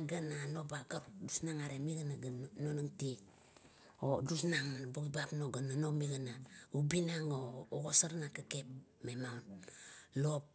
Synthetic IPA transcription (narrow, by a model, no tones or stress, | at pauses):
ɡananobaɡaɾdusnaŋaɾemiɡanaɡanonaŋti | odusnaŋbuɡibapnoɡananomiɡanaubinaŋoːɡosaɾnakakep̚memaunlop̚